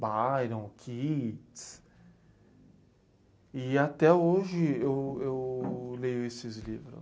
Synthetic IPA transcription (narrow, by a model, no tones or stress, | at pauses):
bajɾɐ̃w̃kʰits | ɪat̪ɛoʒɪewewlejʊesɪzlivɾʊ̰